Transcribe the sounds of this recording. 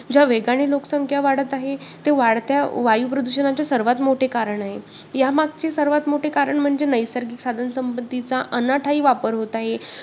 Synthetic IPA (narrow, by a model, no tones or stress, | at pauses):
d͡ʑaʋeɡaɽ̃iːlokə̥səŋkʰjaʋaɽ̤ət̪aɦet̪eʋaɽt̪jaʋajupɾəd̪uɕənat͡ɕasəɾʋat̪moʈʰekaɾəɳaɦe | jamaɡ̚t͡ɕesəɾʋat̪moʈʰekaɾəɳm̤əɳd͡zenəjsəɾɡiːksad̪ʱənəsəmbəd̪it͡saʔənaʈʰaiːʋapəɾɦot̪aɦe